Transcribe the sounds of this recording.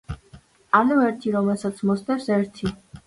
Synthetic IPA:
ɑnuɛɾt̪ʰiɾɔmɛsat͡sʰmɔst̪ɛɾsɛɾt̪ʰi

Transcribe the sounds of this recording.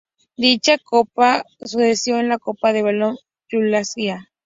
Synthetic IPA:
d̪it͡ʃakopa | susesjoenlakopaðeβalon | t͡ʃulasia

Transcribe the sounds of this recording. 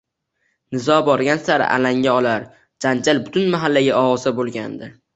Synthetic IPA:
nɪzɒbɒɾɡʲansaɾɪ̰ʔa̰laŋɡʲaɒlaɾ | d͡ʒand͡ʒalbʊt̪ʰʊnmaɦalːaɡʲaɒwɒzd̪abolˠɡʲand̪ɪ

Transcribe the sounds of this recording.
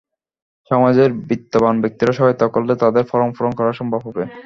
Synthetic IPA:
ʃɔmad͡ʑeɾbit̪ːobanbek̚t̪iɾaʃɔɦɔjt̪ɔkolːet̪ad̪eɾfɔɾoŋfɔɾoŋkɔɾaɾʃɔmbʱabɦobe

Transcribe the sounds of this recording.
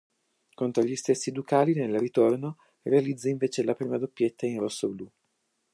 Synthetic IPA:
kont̪ɾoʎist̪esːid̪ukaːlinelrit̪orno | realid̪zːaiɱveːt͡ʃelapɾiːmad̪opːjet̪ːainrosːoblu

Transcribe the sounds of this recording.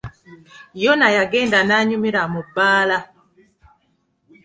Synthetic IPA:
jɔnajaɡɛndanaɲumiɾamubala

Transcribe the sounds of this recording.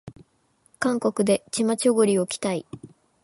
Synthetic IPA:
kãŋko̞kɯ̟d̪e̞t͡ɕimat͡ɕoɡoɾʲio̞kʲi̥t̪ai

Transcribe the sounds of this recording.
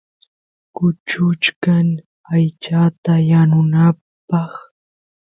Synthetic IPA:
kʊt͡ʃʊt͡ʃkaŋ | ajt͡ʃat̪ajanʊna | pɑχ

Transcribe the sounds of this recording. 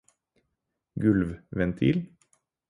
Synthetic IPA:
ɡʉlʋʋɛnt̪ʰḭːl

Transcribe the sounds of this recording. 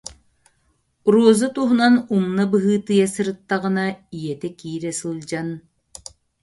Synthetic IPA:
ɾuɔzɯt̪uɦunanumnabɯɦɯːt̪ɯjasɯɾɯt̪ːaʁɯnaijɛt̪ɛkiːɾɛsɯlˠd͡ʑan

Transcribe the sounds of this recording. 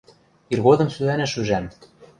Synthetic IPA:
irɣod̪ɤ̆msylænæʃyʒæm

